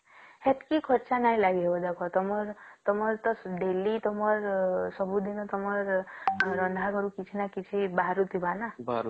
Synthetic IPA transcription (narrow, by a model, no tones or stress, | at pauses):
het̪kikʰɔɾt͡ʃanaj̃laɡiɦebɔd̪akʰɔt̪ɔmɔɾt̪ɔmɔɾt̪ɔɖelit̪ɔmɔɾsɔbud̪inɔt̪ɔmɔɾɾʌnd̪ʱaɡɔɾukit͡ʃʰinakit͡ʃʰibaɦɾut̪ʰibanabaɾu